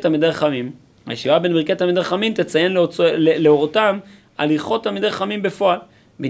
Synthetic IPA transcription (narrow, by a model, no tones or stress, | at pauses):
t̪almid̪eʁeχamim | ha̰jeʃivabe̞nbiʁket̪almid̪eʁχamimt̪et͡sajenloleleoʁotam | a̰liχo̞t̪ːalmid̪eʁeχamimbe̞fo̞al | be